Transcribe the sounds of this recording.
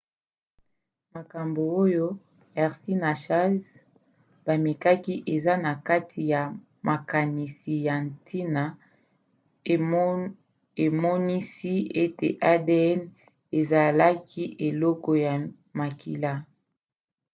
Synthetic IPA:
ma˨ka˨mbo˨o˦jo˦ | ɛ˨ʁsi˦na˨ʃa˦z | b̥a˨mi˨ka˦ki˦ʔe˨za˦na˨ka˦tʰi˨ja˨ | mʔa˨ka˨ni˨si˨ja˨ntʰi˦na˨ | e˨mɔ˦ni˦si˦e˦tḛ˨ʔa˦de˦ɛ˦n | e˨za˨la˦kʰi˦ʔe˨lɔ˦kɔ˨ja˨ | ma˨ki˨la˦

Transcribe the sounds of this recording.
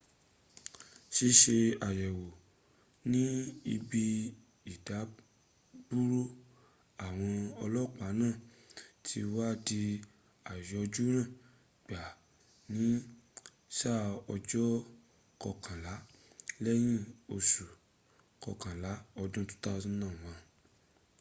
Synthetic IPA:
ʃi˧ʃe˧a˨jɛ˨wo˨ | nĩ˦i˧bi˧ | i˨da˨˦ | b̥u˦ɾo˦ | a˨w̃ɔ̃˧ɔ˧lɔ˦˨k͡pa˨˦nãː˦˨ | tʰi˧wa˦di˧ | a˨jɛ˨ɔ˧d͡ʒu˦ɾ̃ã˦˨ | ɡ͡ba˨ | nĩ˨˦ | ʃa˦˨ɔ˧d͡ʒɔ˦ | kɔ˧˨kʰã˨la˨˦lɛ˦j̃ĩ˦˨o˧su˨ | kɔ˨kã˨la˨˦ɔ˧dũ˦tũ̥˦ta˦˧zɔ̃˦nãː˦˨w̃ã˧

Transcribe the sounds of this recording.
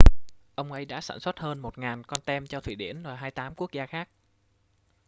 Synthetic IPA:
ʔə˧wŋ͡mʔə˨˧jɗa̰ː˧˥sa̰ː˧˩nswə˦˥t̚həː˧nmo˨˩t̚ŋaː˨˩nkɔ˧nt̪ɛ˧mt͡ɕɔ˧t̪ʰwḭ˧˨˩ɗḭ˧˩ənvaː˨˩ɦaː˧jt̪aː˨˦mku˦˥ək̚zaː˧xaː˦˥k̚

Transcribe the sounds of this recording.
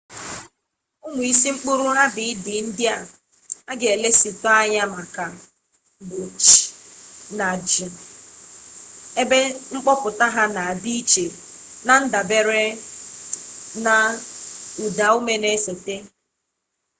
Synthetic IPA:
ʊ˦ŋʊ˨i˦si˦ŋ͡m̩˦k͡pʊ˦ɾʊ˦ɦa˦bɪ˨ɪ˦dɪ˨n̩˦dɪ˦a˨ | a˦ɡe˨e˨le˦si˨tɔ˦a˦ɲa˦ma˨ka˨ | bo˨t͡ʃna˨d͡ʒi˨ | e˦be˦ŋ͡m̩˦k͡pɔ˦pʊ˨ta˦ɦa˦na˨a˨bi˦t͡ʃe˨ | na˨n̩˦da˨be˦ɾe˦ | na˨ | u˨da˨o˦me˦ne˦so˨te˦

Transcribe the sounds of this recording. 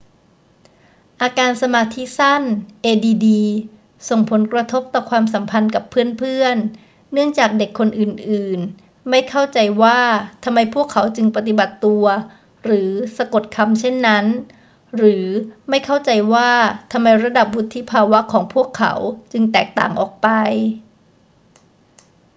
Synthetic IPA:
ʔaː˧kaː˧nsa˧maː˧t̪ʰi˦˥sa˥˩nʔeː˧diː˧diː˧ | so˨˩ŋpʰo˨˩˦nkɾa˧t̪ʰo˦˥p̚t̪ɔː˨˩kʰwaː˧msa˩˦mpʰa˧nka˨˩pʰːɯ˥˩ənpʰɯ˥˩ənː | ɯ˥˩əŋt͡ɕaː˨˩k̚de˨˩kʰːo˧nʔɯː˨˩nʔɯː˨˩n | ma˥˩jkʰa˥˩wt͡ɕa˧jwaː˥˩t̪ʰa˧mːa˧jpʰu˥˩əkʰːa˩˦wt͡ɕɯ˧ŋpa˧t̪̬i˨˩ba˨˩t̪ːu˧ɐ | ɾɯː˩˦sa˧ko˨˩t̪̚kʰa˧mt͡ɕʰe˥˩nːa˦˥n | ɾɯː˩˦ma˥˩jkʰa˥˩wt͡ɕa˧jwaː˥˩t̪ʰa˧mːa˧jɾa˧da˨˩p̚wu˦˥t̪ʰːiː˥˩pʰaː˧wa˦˥kʰɔː˩˦ŋpʰu˥˩əkʰːa̰˩˦wt͡ɕɯ˧ŋt̪ɛː˨˩k̚t̪a̰ː˨˩ŋʔɔ̰ː˨˩k̚pa˧j

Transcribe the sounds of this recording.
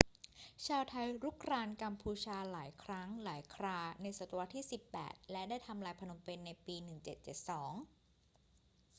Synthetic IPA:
t͡ɕʰaː˧wt̪ʰa˧jɾu˦˥kʰɾaː˧nka˧mpʰuː˧t͡ɕʰaː˧laː˩˦jkʰɾa˦˥ŋlaː˩˦jkʰɾaː˧na˧jsa˨˩t̪wa˧˥t̪ʰːiː˥˩si˨˩pːɛ̰ː˨˩t̪̚lɛ˦˥daː˥˩jt̪ʰa˧mlaː˧jpʰa˧no˧mpe˧nːa˧jpiː˧nɯ˨˩ŋt͡ɕe˨˩t̪̚t͡ɕe˨˩t̪̚sɔː˩˦ŋ

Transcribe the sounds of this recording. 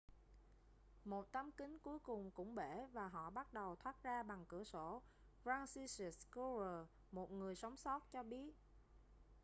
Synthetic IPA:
mo˨˩t̚t̪ə˨˧˦mkï˨˦ŋ̟ku˨˦əjkʊ˨˩ŋ͡mkʊ̰˧˥ŋ͡mɓe˧˩vaː˨˩ɦɔ̰˧˨ɓa˦˥t̚ɗə˨˩wt̪ʰwaː˦˥t̚zaː˧ɓa˨˩ŋkɨ̰˧˩əso˧˩ | faː˧nsi˧si˨˩sku˧zəː˨˩ | mo˨˩t̚ŋɨ˨˩əjsa˨˦wŋ͡msɔ˦˥t̚t͡ɕɔ˧ɓi˦˥ət̚

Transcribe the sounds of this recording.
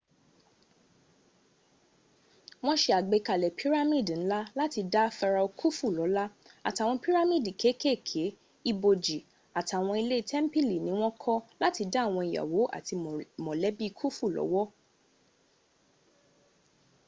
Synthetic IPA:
w̃ɔ̃˦ʃe˧a˨ɡ͡be˧ka˨lɛ˨pʰi˦ɾa˦mĩ˦˨dn̩˦la˦la˦ti˧da˦fɛ˧ɾa˧o˧kʰu˦fu˦˨lɔ˨˦la˦ | a˨ta˨wɔ̃˧pi˦ɾa˦mĩ˦˨di˨kʰe˨˦ke˦˨kʰe˨˦ | i˧bo˧d͡ʒi˨ | a˨ta˨w̃ɔ̃˧i˧le˦i˦˧tʰɛ˦m̩˦pi˦˨li˨nĩ˦w̃ɔ̃˦kʰɔ˦la˦ti˧da˦˨w̃ɔ̃˧i˨ja̰˨wo˨˦ʔa̰˦˨ti˧mɔ̃˨lɛ˨˦bi˦˧kʰu˦fu˦˨lɔ̰˨˦wɔ˦

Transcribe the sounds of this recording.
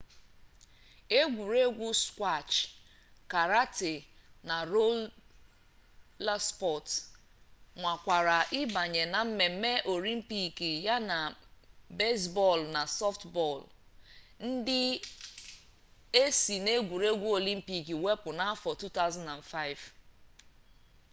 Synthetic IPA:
e˦ɡʷu˨ɾe˦ɡʷu˦skʷa˦˨t͡ʃ | ka˨ɾa˦te˨na˨ɾo˦ | la˦spɔ˦˨t | ŋʷa˨kʷa˨ɾa˨ʔɪ˦ba˨ɲe˨na˨m̩˦me˨m̩˦me˦ʔo˨li˦m̩˦pi˦ki˨ja˦na˨be˦s̬bɔ˦˨lna˨sɔ˦ftbɔ˦˨l | n̩˦dɪ˦ | e˦si˨ne˦ɡʷu˨ɾe˦ɡʷu˦o˨li˦m̩˦pi˨ki˨we˦pʊ˨na˦a˦fɔ˨tu˦ta˦ʊzã˦nda˨nfa˦ɪ˨v

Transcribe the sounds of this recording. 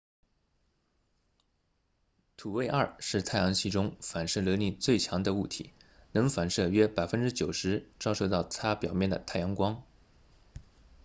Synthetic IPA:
t̪ʰu˨˩we˥˧ɪʔɐ˞˥˩ʂɻ̩˥˧t͡sʰa˥ɪjɑ˧˥ŋɕi˥˩ʈ͡ʂʊ˥ŋfa˨˩nʂ̩˥˩lɤ˧˥ni˥˩nt͡swe˥˩ɪt͡ɕʰjɑ˧˥ŋd̪ə˧u˥˩t̪ʰḭ˧˥nɤ˧˥ŋfa˨˩nʂɤ˥˩ɥɛ˥pa˨˩ɪfə˥nʈ͡ʂɻ̩˥t͡ɕjo˨˩ʊʂɻ̩˧˥ʈ͡ʂɑ˥˧ʊʂo˥˧ʊt̪ɑ˥˩ʊt͡sʰa˥pjɑ˨˩ʊmjɛ˥˩nd̪ə̰˩t̪ʰa˥˩ɪjɑ˧˥ŋkwɑ˥ŋ

